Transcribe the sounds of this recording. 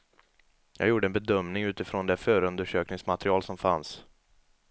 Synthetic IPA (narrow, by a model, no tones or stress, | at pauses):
jɑ̰ːɡjuːɖəɛnbɛd̪œmnɪŋʉ̟ːt̪ɪfɾond̪ɛfœːɾəɵnd̪əʂøːknɪŋsmat̪ɾɪɑːlsɔmfa̰ns